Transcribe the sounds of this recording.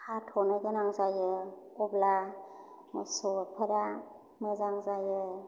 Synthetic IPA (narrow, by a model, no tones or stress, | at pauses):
hatʰɔnɯjɡɯnaŋzajɯ | ɔbla | msɔpʰəɾa | mɯzaŋzajɯ